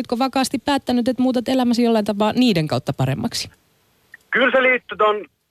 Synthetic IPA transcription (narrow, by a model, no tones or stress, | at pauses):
yt̪koʋɑkɑːst̪ippæːt̪ːænyt̪et̪muːt̪et̪elæmæs̬jolːɑjnt̪ɑpɑːniːdeŋkɑwt̪ːɑpɑɾḛmːɑ̰ksi̥ | kylseliːt̪ːyt̪on